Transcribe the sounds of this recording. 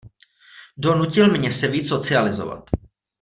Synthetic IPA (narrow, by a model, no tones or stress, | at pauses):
do̞nucɪlmɲɛsɛviːt͡sso̞t͡sɪalɪzo̞̰va̰t̪